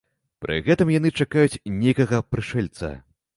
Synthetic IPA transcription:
pɾʔɨ̰ɣɛt̪ɨmjan̪ɨt͡ʂakajut͡sʲnʲejkɐɣɐpɾɨʂɛlʲt̪sɐ̰

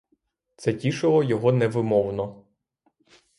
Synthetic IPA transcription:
t̪sɛtʲiʃɔlˠɔjɔɦɔnɛʋɪmɔwnɔ

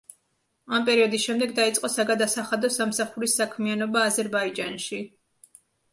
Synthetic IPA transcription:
ampʼɛɾiɔd̪isʃɛmd̪ɛɡd̪ait̪sʼqʼɔsaɡad̪asaχad̪ɔsamsaχuɾisːakʰmianɔbaːzɛɾbaid͡ʒanʃi

